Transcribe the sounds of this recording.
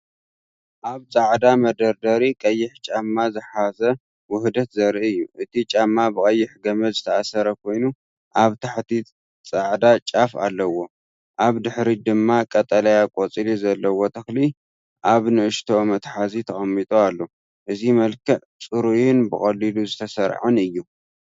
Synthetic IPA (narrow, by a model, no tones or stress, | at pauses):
ʔaβt͡sʼaʕd̪amɐd̪ɐɾd̪ɐɾikʼɐjːɪħt͡ʃʼamːazɨħazɐ | wʊhd̪ɐt̪zɐɾʔiɨjːuʔɨt̪ʰit͡ʃʼamːabɨkʼɐjːɪħɡɐmɐzɨt̪ʰɐasɐɾɐkʰo̞jnu | ʔaβt̪ʰaħt̪ʰi | t͡sʼaʕd̪at͡ʃʼafa̰lːɐwo̞ | ʔaβd̪ɨħɾid̪ɨmːakʼɐt̪ʼɐlɐjakʼot͡sʼilizɐlːɐwot̪ʰɐxli | ʔaβnɨʔɨʃt̪ʰo̞mɐt̪ħazit̪ʰɐxʼɐmːit̪ʼoalːo | ʔɨzimɐlkʰɐʕ | t͡sʼɨɾujɪnbɨxʼɐlːiluzɨt̪ʰɐsɐɾʕɨnɨjːu